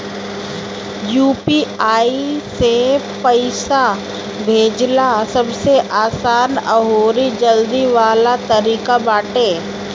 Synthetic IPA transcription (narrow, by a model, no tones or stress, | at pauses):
juːpiaːise | pəɪsa | bʱeːd͡ʒlasɐbseʔaːsaːnə̰ɦoːɾid͡ʒəld̪iʋaːlat̪ɐɾiːkabaːʈeː